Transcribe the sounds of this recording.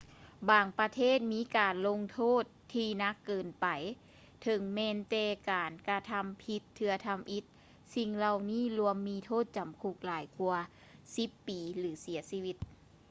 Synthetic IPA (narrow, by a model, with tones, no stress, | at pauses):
baː˨˩ŋpɾa˧t̪ʰeː˥˩t̪̚miː˧˥˨kaː˨˩nlo˧ŋt̪ʰoː˥˩t̪̚ʰːiː˧na˧˥kːɤː˨˩npa˨˩j | t̪ʰɤ˨˧˦ŋmɛː˧nt̪ɛː˧˩kaː˨˩nkɾa˧t̪ʰa˧mpʰi˧˥t̪ʰːɯ˧ɐt̪ʰa˧mʔi˧˦˥t̪̚ | si˧ŋla˧wniː˥˩˨lu˧əmːiː˧t̪ʰoː˥˩t̪̚t͡ɕa˨˩mkʰu˧˩k̚laː˨˩˦jku˧ɐ | si˧˦pːiː˨˩lɯː˩˦si˨˩˦ɐsiː˧wi˧t̪̚